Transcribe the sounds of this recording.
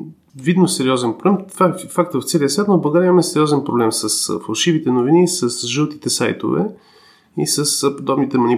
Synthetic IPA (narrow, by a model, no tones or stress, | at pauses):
vid̪nosɛɾiɔzɛnpɾoblɛmt̪vafak̚t̪vəft̪sɛliəsvʲat̪noblˠɡaɾʲɛəimɐmɛsɛɾiɔzɛnpɾoblɛmsəsfɐlˠʃivit̪ɛnovinisəsʒɤlˠt̪it̪ɛsajt̪o̰vɛ̰ | ḭsəspod̪ɔbnit̪ɛmɐni